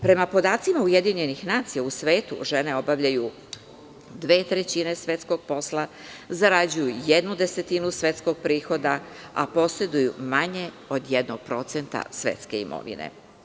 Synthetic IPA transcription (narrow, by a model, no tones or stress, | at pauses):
pɾe̞mapo̞d̪aːt̪simauje̞d̪iɲe̞nixnaːt̪sijausʋe̞ːt̪ṵʒe̞ne̞o̞baʋʎaju | d̪ʋe̞ːt̪ɾet͡ɕine̞sʋe̞t̪sko̞ɡ̥̚po̞slˠa | zaɾad͡ʑujujed̪nud̪e̞se̞t̪inusʋʲe̞t̪sko̞ɡ̥̚pɾiːxo̞d̪aa̰po̞se̞d̪ujumaɲe̞ | o̞d̪jed̪noɡ̥̚pɾo̞t̪se̞nt̪a̰sʋe̞̰t̪ske̞ḭmo̰ʋḭnḛ